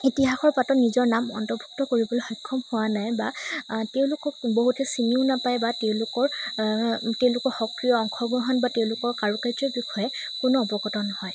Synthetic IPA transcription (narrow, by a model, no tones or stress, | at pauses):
itiɦaxɔɹpatɔnizɔɹnamɔ̰ntɔɹbʱu̥k̚tɔkoɹibɔloxɔjkʰːɔmhowanajbateʊ̃lʊkɔk̚boɦutʰɛsiniʊnapajbateʊ̃lʊkɔɹ | teʊ̃lʊkɔɹxɔkɹijɔːŋxʰɔɡɹɔɦɔnbateʊ̃lʊkɔɹkaɹukajzɔbixɔjɛ | kʊnɔːpɔɡɔtɔnɔhɔj